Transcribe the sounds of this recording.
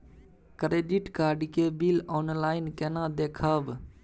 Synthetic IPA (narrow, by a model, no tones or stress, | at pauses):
kɾeːɖiʈkaːɾɖkeːbiloːnlaːɪnkenãːd̪eːkʰaːb